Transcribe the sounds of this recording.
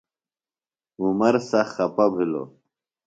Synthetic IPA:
umɐɾsɐxɐpɐbʱilo̰

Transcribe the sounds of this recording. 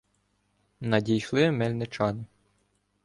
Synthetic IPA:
nɐdʲijʃlˠɪmɛlʲnɪt͡ʃɑnɪ

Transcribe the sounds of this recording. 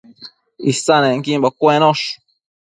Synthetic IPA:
isanaŋkimbakwɛnɔʃu̥

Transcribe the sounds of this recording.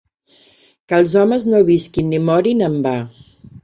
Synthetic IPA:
kəlˠzɔməznoβiskinːimɔɾinəmba

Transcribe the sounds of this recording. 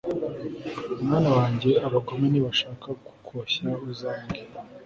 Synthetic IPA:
umŋaːnawaːɲɟe̞aβaɡomeniβaʃaːkaɡu̥kʰoɕauzaːŋɡe

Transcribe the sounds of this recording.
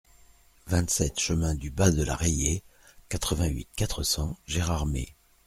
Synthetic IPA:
vɛ̃t̪sɛt̪ʃəmɛ̃d̪ybad̪əla̰ʁeje | kat̪χəvɛ̃ɥḭt̪̚kat̪χəsɑ̃ʒɛʁaʁmḛ

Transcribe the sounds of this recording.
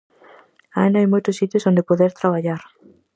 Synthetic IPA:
aenaajmojt̪osit̪josond̪epoðeɾt̪ɾaβ̞aʎaɾ

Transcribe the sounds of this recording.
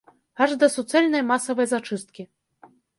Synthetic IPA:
aʐd̪ɐsut̪sɛlʲnɐjmasɐvɐjzat͡ʂɨst̪̚kʲi

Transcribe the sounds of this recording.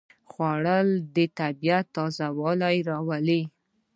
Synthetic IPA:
xwaɽəld̪ət̪abijat̪ːɑzawɑlajɾɑwali

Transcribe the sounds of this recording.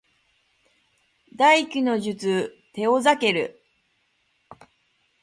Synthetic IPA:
d̪aikʲino̞ʑɨt͡sɨ | t̪e̞o̞zake̞ɾɯ̟̰

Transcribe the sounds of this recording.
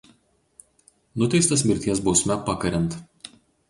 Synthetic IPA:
nʊt̪ʲɛɪst̪ɐsmʲɪɾʲt̪ʲiɛsbɒʊsʲmʲɛpɐkɐɾʲɛnt̪

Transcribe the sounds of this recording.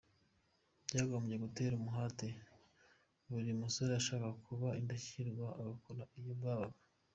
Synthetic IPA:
bɟaːɡoːmbɟe̞ɡute̞ːɾumuɦate | βuɾimusoɾejaʃaːkakʰuβaimbeçiɾɡwaʔaɡakoɾaʔijobɡaːβaβa

